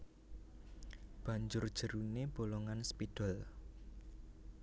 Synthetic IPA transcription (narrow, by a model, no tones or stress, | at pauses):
b̥a̤ɲd͡ʒʊrd̥ʒ̥ə̤ɾuneb̥oloŋanspid̥ɔl